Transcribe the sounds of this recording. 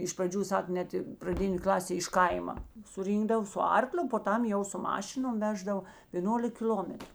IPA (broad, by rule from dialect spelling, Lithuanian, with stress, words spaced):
ɪʃ prɐˈd͡ʒʲuː ˈsɐk ˈnʲɛt ɪ prɐˈdʲɪnʲeː ˈklˠɑːsʲeː ɪʃ ˈkɐɪmɐ sʊˈrʲiːŋɡdɐw sʊ ˈɐrklʲʊ poː ˈtɐm jɛʊ sʊ ˈmɑːʃʲɪnoːm ˈʋʲæːʒdɐw ʋʲeːˈnoːlʲɪk kʲɪˈlʲoːmʲɛtrʊ